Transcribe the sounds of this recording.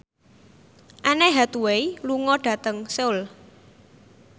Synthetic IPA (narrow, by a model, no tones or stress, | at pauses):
ʔanɛɦat̪uwejluŋɔɖ̥ä̤t̪əŋseʊl